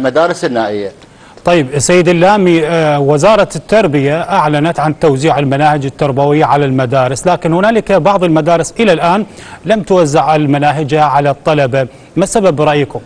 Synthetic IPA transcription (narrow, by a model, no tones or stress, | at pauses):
mad̪aːɾɪsɪnːaːʔɪjːa | t̪ˤɑjːɪbsːajːɪd̪ɪlːaːmiwɪzɑːɾˤɑt̪ːɑɾˤbɪjaʔaʕlanat̪ʕant̪owziːʕɪlmanaːhɪd͡ʒɪt̪ːɑɾˤbawɪjːaʕalalmad̪aːɾɪslaːkɪnhʊnaːlɪkbɑʕðˤɪlmad̪aːɾɪsʔɪlalʔaːnlamt̪wazːɪʕɪlmanaːɦɪd͡ʒaʕalat̪ˤːɑlɑba | masababɾˤɑʔjɪkʊm